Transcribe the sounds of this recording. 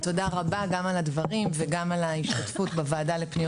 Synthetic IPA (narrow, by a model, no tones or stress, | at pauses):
to̞daʁabaɡamaladvaʁimveɡamalaiʃtatfutbavaːdalepni